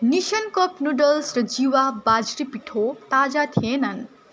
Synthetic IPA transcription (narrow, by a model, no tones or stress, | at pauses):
nisɐnkʌpnuɖəlsɾʌd͡ʒiwabad͡ʒɾipiʈʰot̪aːd͡ʒat̪ʰienɐn